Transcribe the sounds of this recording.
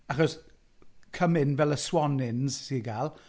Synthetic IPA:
aχɔs | kʰəmɪnvɛlˠəswɔnɪnz̥siɡaːlˠ

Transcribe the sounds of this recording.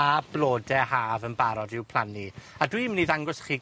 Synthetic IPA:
ablˠoːdɛhaːvənbaɾɔdɪwpʰl̥ˠaniadwimniðaŋɡʊsχiː

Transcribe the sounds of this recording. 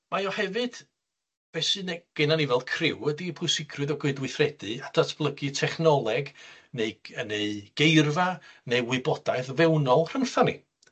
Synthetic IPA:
majɔhɛvɨd̥ | b̥ɛsɨneɡ̥ɛnanivɛlˠkʰrɪwədipʰʊjsɪkʰrɨðɔɡʊɨdwɨθrɛd̥ɨad̥atʰb̥lˠəɡɨtʰɛχnɔlˠɛɡ | neɨəneɨɡ̥ejrvaneɨwɪbɔd̥ajθvɛwnɔlˠr̥əŋθanḭ

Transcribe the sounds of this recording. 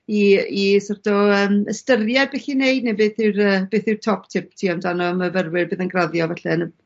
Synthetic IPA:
iisɔrdɔəːməstərjɛbɛɬinejdnebeːθɪwrəb̥eːθɪwrtʰɔptʰɪptʰiːɔmdanɔməvərwɪrbɨːðənɡraðjɔvɛɬɛnə

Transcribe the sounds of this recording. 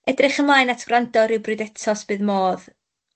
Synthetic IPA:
ɛdrɪχəmlajnatʰɡ̥randɔɾɪwbrɨdɛtʰɔsb̥ɨːðmoːð

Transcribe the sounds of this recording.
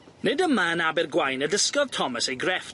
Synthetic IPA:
nɪdəmaənabɪrɡwajnədəskɔð̥tʰɔməsejɡrɛf

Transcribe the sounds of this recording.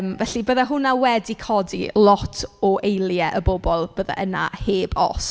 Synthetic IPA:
mvɛɬibəːðaɦʊnawɛdikʰɔdḭlˠɔtʰɔʔejlˠjɛʔəbobɔlˠb̥əːða̰ʔəna̰heːbɔ̰s

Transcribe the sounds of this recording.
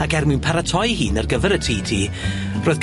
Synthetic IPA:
aɡɛrmɨnpʰaɾatʰɔjhiːnərɡəvɛɾətʰiːtʰiː | roːjðɡ

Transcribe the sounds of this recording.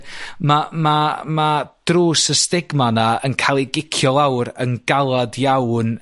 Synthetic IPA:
mamamad̥ruːsəstɪɡmanaənkʰaːlˠiɡɪkʰjɔlˠawɾənɡalˠadjawn

